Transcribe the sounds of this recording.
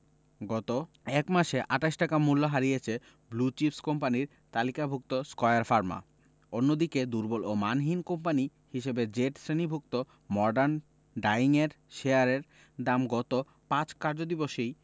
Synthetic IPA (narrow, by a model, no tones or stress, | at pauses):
ɡɔt̪o | ɛkmaʃeʔaʈaʃʈakamulːoɦaɾijet͡ɕʰe | blut͡ɕipskompaniɾ | t̪alikabʱuk̚t̪oskɔeaɾfaɾma̰ | onːod̪iked̪uɾbolomanɦinkompani | hiʃebed͡ʑeʈsɾenibʱuk̚t̪o | mɔɾɖaɾn | ɖajiŋeɾ | ʃeaɾeɾ | d̪amɡɔt̪o | pãt͡ɕkaɾd͡ʑod̪iboʃej